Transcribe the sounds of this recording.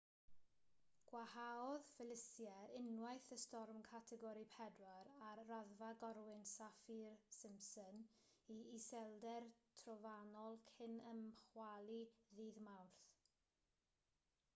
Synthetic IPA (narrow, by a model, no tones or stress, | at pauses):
ɡ̥wahaɔðfɪlˠɪsjɛɪnwajθəstɔrmkʰatʰɛɡɔɾipʰɛdwaɾarraðvaɡɔɾwɪnsafirsɪmsɔn | iisɛlˠdɛrtʰrɔvanɔlˠkʰɪnəmχwalˠiðiːðmawrθ